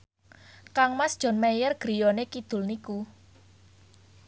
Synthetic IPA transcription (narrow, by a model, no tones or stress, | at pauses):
kaŋmasd̥ʒ̥ɔ̤nmejərɡ̥ɾijonekid̪̥ʊ̤lniku